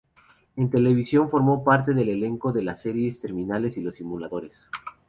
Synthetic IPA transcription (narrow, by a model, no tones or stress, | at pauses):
e̞nt̪e̞le̞β̞isjo̞ɱfo̞ɾmo̞paɾt̪eðe̞le̞le̞ŋko̞ðe̞lase̞ɾjest̪e̞ɾmĩnale̞silo̞simulaðo̞ɾe̞s